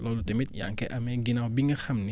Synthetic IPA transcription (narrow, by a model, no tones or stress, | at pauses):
lɔlutemit̪ja̰ŋkɛ̰ʔɐmɛɡinawbiŋɡɐxɐmni